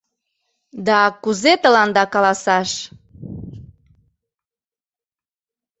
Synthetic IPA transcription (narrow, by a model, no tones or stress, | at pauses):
d̪ɑkuzet̪əlɑnd̪ɑkɑlɑsɑʃ